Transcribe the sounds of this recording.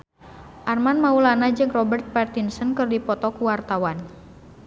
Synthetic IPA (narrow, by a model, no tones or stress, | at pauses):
ʔarmanmaulanad͡ʒɨŋrɔbərt̪̚part̪insɔnkɨrdipɔt̪ɔkuwart̪awan